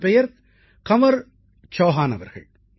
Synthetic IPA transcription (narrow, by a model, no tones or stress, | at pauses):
pɛjɐɾ | kɐʋɐɾ | t͡ʃoːɦaːnɐʋɐ̰ɾɣɐ̰ɭ